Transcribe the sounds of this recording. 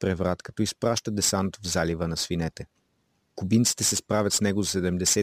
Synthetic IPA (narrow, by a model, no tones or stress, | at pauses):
pɾɛvɾat̪kɐ̥t̪ɔispɾaʃt̪əd̪ɛsanot̪ovzalivənɐsvinɛt̪ɛ | kʊbint̪si̥t̪ɛsɛspɾavʲɐt̪snɛɡʊzsɛd̪ɛmd̪ɛsɛ